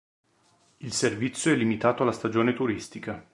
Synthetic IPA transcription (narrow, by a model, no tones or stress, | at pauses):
ilservit̪sːjoɛlːimit̪aːt̪oalːast̪ad͡ʒoːnet̪uɾist̪ika